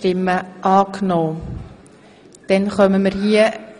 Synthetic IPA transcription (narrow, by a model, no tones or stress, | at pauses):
tɪmːəʔɑːknoː | d̥ɛnχœməməɾɦiə